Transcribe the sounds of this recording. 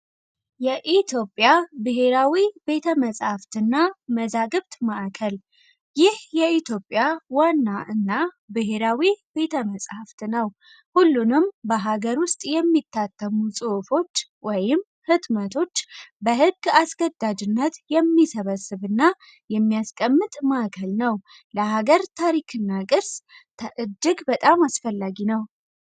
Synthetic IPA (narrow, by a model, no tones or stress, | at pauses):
jɛʔit̪ʰjo̞pʼjabɨɦe̞ɾawibe̞t̪ʰəməsʼhaft̪ɨnːaməzaɡɨβt̪maʔkʰəl | jɪhjɛit̪ʰjopʼːjawanːaʔɨnːa | bɨɦeɾawibe̞t̪ʰəməsʼhaft̪nəw | hulːunɨmbəɦaɡəɾwʊst̪ʼjɛmːit̪ʰːat̪ʰːəmusʼɨfo̞t͡ʃːwɔjɪm | hɨt̪mət̪ʰo̞t͡ʃːbəɦɨɡːasɡəd̪ːad͡ʒɨnːət̪jɛmːisəβəsːɨβɨnːa | jɛmːijaskʼəmːɨt̪ʼmakʰəlnəw | ləɦaɡəɾt̪ʰaɾikʰɨnːakʼɨɾst̪ʰəʔɨd͡ʒːɨɡbət̪ʼamasfəlːaɡinəw